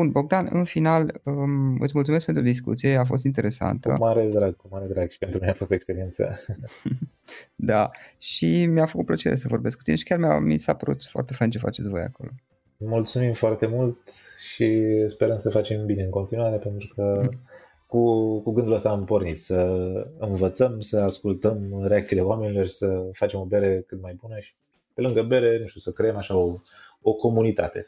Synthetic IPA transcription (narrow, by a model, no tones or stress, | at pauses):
bunbo̞ɡ̚d̪anɨ̰nfinaləɨ̰t̪ʲmult̪sumeskpent̪ɾud̪is̬kṵt̪sije̞af̬o̞s̬t̪int̪e̞ɾʔe̞sa̰nt̪ə̰maɾed̪ɾaɡ̚kumaɾed̪ɾaɡʃi̥pent̪ɾumineafo̞st̪ekspe̞ɾient̪sə̰ | d̪aʃimijafəkut̪̚plət͡ʃe̞ɾʔesəvo̞rbe̞skut̪ineʃi̥kʲarmja̰mḭsapəɾṵt̪foa̰rt̪e̞fant͡ʃe̞fa̰t͡ʃet̪sʲvoja̰ko̞̰lo̞ | mult̪sumimfoart̪e̞mult̪ʃispe̞ɾənsəfat͡ʃe̞mbine̞ɨŋko̞nt̪inuaɾe̞pe̞nt̪ɾukʰə | kukuɡɨnd̪uləst̪aːmpo̞rnit̪səɨnvət̪səmsəaskult̪əmɾeakt̪siːle̞oame̞nilo̞rsəfat͡ʃemo̞be̞ɾe̞kɨt̪̚majbunəʃi̥ | pe̞lɨŋɡəbe̞ɾe̞nuʃt̪usəkɾejemaʃaooko̞munit̪a̰t̪e̞